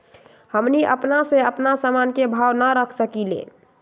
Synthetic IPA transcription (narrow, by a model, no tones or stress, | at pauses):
həmniʔə̰pnaseəpnasamankebʱawnəɾəkʰsəkilḛ